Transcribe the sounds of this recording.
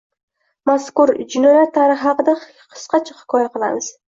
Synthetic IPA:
maskʊɾd͡ʒɪnɒjatt̪ʰːaɾɨχhɑqɨd̪a | qʰɨ̥sqʰɑt͡ʃʰḁhɪ̥kʰɒjaqɨlˠa̰mɪz̥

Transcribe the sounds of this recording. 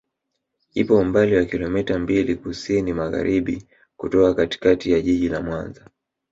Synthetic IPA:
ipɔumbaliwakilɔmɛtambilikusinimaɣa̰ɾiɓi | kutɔkakati̥katijaʄiʄilamwanza

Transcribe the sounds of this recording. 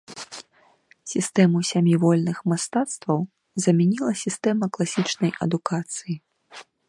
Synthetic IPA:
sʲist̪ɛmusʲamʲjivɔlʲnɨxmast̪at̪st̪vɐw | zɐmʲɛnʲilˠɐsʲist̪ɛmɐklˠasʲit͡ʂnɐjɐ̰d̪ukat̪sɨji

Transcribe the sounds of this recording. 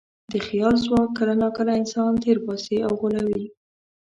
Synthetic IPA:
d̪əxjɑlzwɑkːalanɑkalaɪnsɑnt̪eɾpɑseawɣolawi

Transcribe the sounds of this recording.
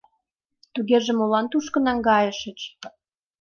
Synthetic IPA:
t̪uɣeʒĕmolɑnt̪uʃkə̆nɑŋɡɑjə̆ʃə̆t͡ɕ

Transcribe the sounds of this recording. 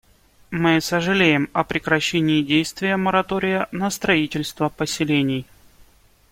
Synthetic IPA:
mɨsəʐɨlʲejɪmɐpɾʲɪkɾɐɕːenʲɪːdʲejst̪vʲɪjəməɾɐt̪oɾʲɪjənəst̪ɾɐitʲɪlʲst̪vəpəsʲɪlʲenʲɪj

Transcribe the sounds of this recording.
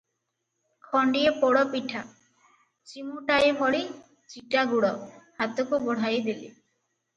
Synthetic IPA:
kʰɔɳɖiepɔɽɔpiʈʰa | t͡ʃimuʈajebʱɔɽi | t͡ʃikaɡuɽɔhat̪okubɔɽ̤ajd̪ilḭ

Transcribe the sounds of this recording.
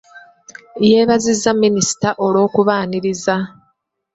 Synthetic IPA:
je̞ːβazizːamːinisi̥taʔo̞lo̞ːkuβaːniɾiza

